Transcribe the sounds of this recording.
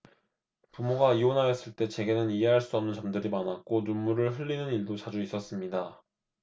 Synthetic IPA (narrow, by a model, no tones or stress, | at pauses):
pumoɡaionajʌs͈ɯɭt͈e̞t͡ɕe̞ɡe̞nɯniɦe̞ɦaɭs͈uʌmnɯnt͡ɕʌmdɯɾimanak̚k͈onumːuɾɯɭɦɯʎːinɯniɭdot͡ɕad͡ʑuis͈ʌs͈ɯmɲida